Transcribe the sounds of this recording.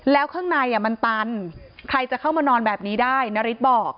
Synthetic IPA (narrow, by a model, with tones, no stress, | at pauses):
lɛː˦˥wkʰɯː˥˩ŋnaː˧jʔa˨˩ma˧nt̪a˧nkʰɾa˧jt͡ɕa˨˩kʰa˥˩wmaː˧nɔː˧nbɛː˨˩p̚niː˦˥daː˥˩jna˦˥ɾi˦˥t̪̚bɔː˨˩k̚